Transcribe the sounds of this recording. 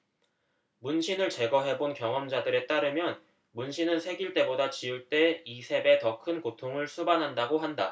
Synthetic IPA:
munɕʰinɯɭt͡ɕe̞ɡʌɦe̞bonkjʌŋʌmd͡ʑadɯɾe̞t͈aɾɯmjʌn | munɕʰinɯnsʰe̞ɡiɭt͈e̞bodat͡ɕiuɭt͈e̞isʰe̞be̞tʌkʰɯnkotʰoŋɯɭsʰubanɦandaɡoɦanda

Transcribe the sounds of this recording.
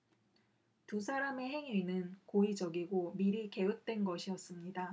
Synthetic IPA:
tusʰaɾame̞ɦe̞ŋɥinɯnkoid͡ʑʌɡiɡomiɾike̞ɯt̚t͈we̞nɡʌɕʰijʌs͈ɯmɲida

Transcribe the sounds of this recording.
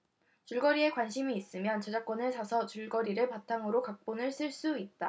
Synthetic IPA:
t͡ɕuɭɡʌɾie̞kwanɕʰimiːs͈ɯmjʌnt͡ɕed͡ʑak͈ʌnɯɭsʰasʰʌt͡ɕuɭɡʌɾiɾɯɭpatʰaŋɯɾokak̚p͈onɯɭsʰɯɭs͈uit̚t͈a

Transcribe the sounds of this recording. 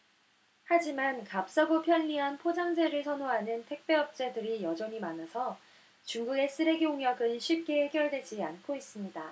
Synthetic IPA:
had͡ʑimankap̚s͈aɡopʰjʌʎːiɦanpʰod͡ʑaŋd͡ʑe̞ɾɯɭsʰʌnoɦanɯntʰe̞k̚p͈e̞ʌp̚t͡ɕ͈e̞dɯɾijʌd͡ʑʌɲimanasʰʌ | t͡ɕuŋɡuɡe̞s͈ɯɾe̞ɡioŋjʌɡɯnɕʰip̚k͈e̞heɡjʌɭdwe̞d͡ʑiankʰois͈ɯmɲida

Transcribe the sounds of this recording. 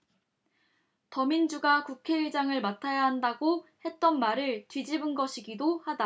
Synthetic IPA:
tʌmind͡ʑuɡakukʰe̞iɭd͡ʑaŋɯɭmatʰajaɦandaɡohe̞t̚t͈ʌnmaɾɯɭt͡ɕɥid͡ʑibɯnɡʌɕʰiɡidohada

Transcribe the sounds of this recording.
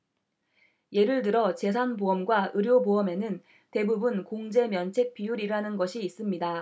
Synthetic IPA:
je̞ɾɯɭt̬ɯɾʌt͡ɕe̞sʰanboʌmɡwaɯɾjoboʌme̞nɯn | te̞bubunkoŋd͡ʑe̞mjʌnt͡ɕʰe̞k̚p͈ijuɾiɾanɯnɡʌɕʰiːs͈ɯmɲida

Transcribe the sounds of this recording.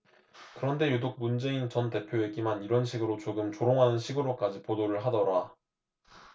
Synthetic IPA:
kɯɾʌnde̞jodok̚mund͡ʑe̞int͡ɕʌnte̞pʰjoe̞ɡimaniɾʌnɕʰiɡɯɾot͡ɕoɡɯmt͡ɕoɾoŋɦanɯnɕʰiɡɯɾok͈ad͡ʑipodoɾɯɭɦadʌɾa

